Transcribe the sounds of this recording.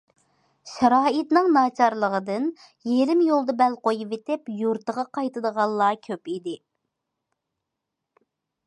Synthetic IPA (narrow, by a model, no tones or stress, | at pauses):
ʃɛɾɑːit̪nɨŋnɑːt͡ʃʰɑɾlˠəʁəd̪ɨn | jeɾɪmjolˠd̪ɑbɛlqojuvet̪ɪpjuɾt̪əʁɑqʰɑjt̪ɨd̪əʁɑlˠːɑːkʲʰøpid̪ɪ